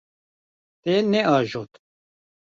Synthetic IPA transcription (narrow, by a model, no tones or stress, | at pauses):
t̪enɛɑːʒot̪